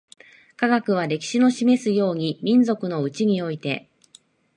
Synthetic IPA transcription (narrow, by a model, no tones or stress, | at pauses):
kaɡakɯ̟β̞aɾe̞kʲi̥ɕino̞ɕime̞sɨjo̞ːɲ̟imʲĩnd͡zo̞kɯ̟no̞ɯ̟t͡ɕiɲ̟io̞it̪e̞